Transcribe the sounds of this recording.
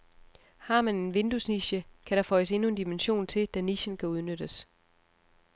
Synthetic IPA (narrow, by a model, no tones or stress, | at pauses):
hɑ̈ːmæne̝nʋe̝nd̥usniɕəkʰæɾ̥ɑ̈fɒ̽ɪəse̝nuend̥imenɕo̝̰ːnt͡sʰe̝ld̥æniɕənkʰæuð̞ˠnød̥əs